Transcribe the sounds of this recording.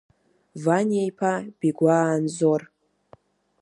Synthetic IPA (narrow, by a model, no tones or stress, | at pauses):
vanʲiejpʰab̥iɡʷaːnzor